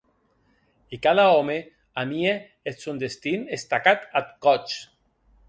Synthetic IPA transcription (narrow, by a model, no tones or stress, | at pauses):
ikaðaɔme | amie | et̪sond̪est̪inest̪akat̪at̪kɔt͡ʃ